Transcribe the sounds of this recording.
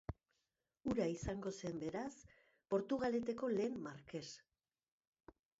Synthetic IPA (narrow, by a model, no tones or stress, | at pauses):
uɾaisaŋɡo̞se̞mbe̞ɾas | po̞ɾt̪uɣ̞ale̞t̪eko̞le̞ːmːaɾke̞s